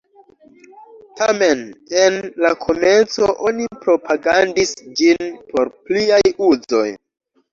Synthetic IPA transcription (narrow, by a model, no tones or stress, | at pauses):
tame̞nenlakʰo̞me̞nt͡soʔo̞nipɾo̞pʰaɡandisd͡ʒinpo̞ɾpliajuzo̞̰j